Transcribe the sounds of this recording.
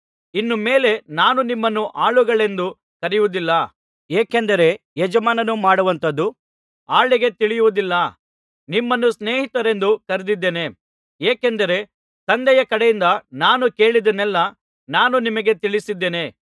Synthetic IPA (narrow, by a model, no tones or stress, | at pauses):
inːumeːle̞naːnunimːɐnːuʔaːɭuɡɐɭe̞nd̪u | kɐɾijʋud̪ilːɐ | eːkend̪ɐɾe̞ | jɛd͡ʒɐmaːnɐnumaːɽuʋɐnt̪ɐd̪ːu | aːɭiɡe̞t̪iɭijuʋud̪ilːɐ | nimːɐnːusne̞ːɦit̪ɐɾe̞nd̪ukɐɾed̪id̪ːeːne̞ | eːkend̪ɐɾe̞ | t̪ɐnd̪ɛjɐkɐɽɛjind̪ɐnaːnuke̞ːɭid̪ɐnɛlːɐ | naːnunimɐɡe̞t̪iɭisid̪ːeːne̞